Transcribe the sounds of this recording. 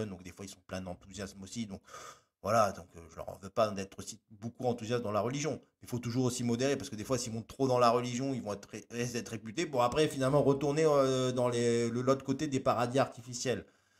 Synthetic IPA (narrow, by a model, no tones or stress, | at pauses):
nd̪ɔ̃kd̪efwailsɔ̃plɛ̃d̪ɑ̃t̪uzjasmosid̪ɔ̃k | vwalad̪ɔ̃køʒəlœ̰ʁɑ̰̃vøpad̪ɛt̪χosibokuɑ̃t̪uzjasd̪ɑ̃laʁəliʒjɔ̃mɛilfot̪uʒuʁosimɔd̪eʁepaʁsəkəd̪efwasilmɔ̃t̪ːχod̪ɑ̃laʁəliʒjɔ̃ilvɔ̃ɛt̪χeed̪ɛt̪χepyt̪ebɔ̃apχɛfinalmɑ̃ʁət̪uʁneød̪ɑ̃leləlot̪χəkot̪ed̪epaʁad̪iaʁt̪ifisjɛl